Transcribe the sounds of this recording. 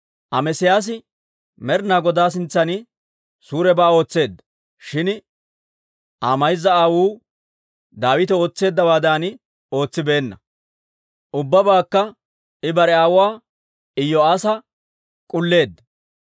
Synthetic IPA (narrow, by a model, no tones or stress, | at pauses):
ʔɐmɛsɪjaːs̬ɪ | mɛɾnaːɡɔd̪aːs̬ɪnt͡sːɐnɪ | suːɾɛbaːo̞ːt͡sːe̞ːd̪ːɐ | ʃɪn | ʔaːmɐjzːɐaːwuː | d̪aːwɪt̪ɛo̞ːt͡sːe̞ːd̪ːɐbaːd̪aːnɪ | o̞ːt͡sːɪbe̞ːnːɐ | ʔʊbːɐbaːkːɐ | ɪbɐɾɛaːwʊwaː | ɪjːɔasɐ | kʼʊlːe̞ːd̪ːɐ